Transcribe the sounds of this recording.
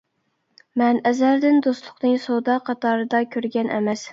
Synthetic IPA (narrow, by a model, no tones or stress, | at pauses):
mɛnɛzæɾd̪ɪnd̪ost̪lˠʊqnɨŋsod̪ɑqʰɑt̪ʰɑɾɨd̪ɑkʲʰøɾɡʲɛnʔɛ̰mɛs